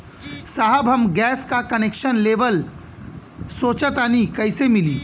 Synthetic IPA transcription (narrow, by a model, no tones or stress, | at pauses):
saːɦəbɦɐmɡɛːskakɐneːkʃənleːʋəl | soːt͡ʃət̪anikɐɪsemɪliː